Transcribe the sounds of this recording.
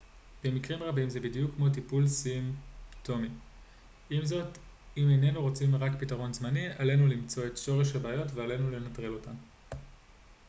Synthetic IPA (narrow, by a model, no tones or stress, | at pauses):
b̥e̞mikʁimʁabimzebidijukːmo̞t̬ipulsimto̞mi | imzo̞t | imejne̞nuʁo̞t͡simʁakpitaʁo̞nzmaniale̞nulimt͡so̞e̞tʃo̞ʁe̞ʃhabeːjo̞tveale̞nule̞natʁilo̞tan